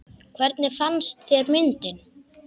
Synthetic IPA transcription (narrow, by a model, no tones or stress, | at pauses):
kʰvɛɾt̪nɪfanst̪θjɛɾmɪnt̪ɪn